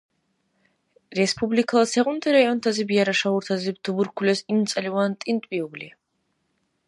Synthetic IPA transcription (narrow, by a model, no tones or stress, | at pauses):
ɾɛspʰʼublikʰalˠasɛʁunt̪ʰʼɛɾaiɔnt̪ʰazibiaɾaʃauɾt̪ʰazibd̪ubuɾkʰulɛsimt̪sʼlivant̪ʼint̪ʼbiubli